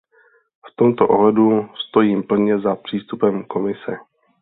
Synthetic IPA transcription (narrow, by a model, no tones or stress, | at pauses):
ft̪o̞mt̪oʔoɦlɛdust̪o̞jiːmpl̩ɲɛzapr̝̥iːst̪upɛmko̞mɪsɛ